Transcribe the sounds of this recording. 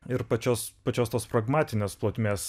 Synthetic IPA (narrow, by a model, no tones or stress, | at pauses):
ɪɾpɐt͡ʃʲoːspɐt͡ʃʲoːst̪oːspɾɐɡmɑːt̪ʲɪnʲeːsplˠoːt̪ʲmʲeːs